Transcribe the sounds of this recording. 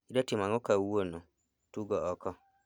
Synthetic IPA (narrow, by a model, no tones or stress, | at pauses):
idɔtimãŋokawuonʊ̃ | tuɡɔɔkʰɔ